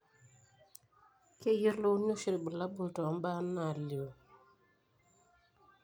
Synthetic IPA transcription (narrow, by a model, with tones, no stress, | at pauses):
ke˦ji˦ɾlo˦no˦ʃi˨ɾbə˨la˦bu˦˨ltɔ˨m˦ba˦na˨ljo˨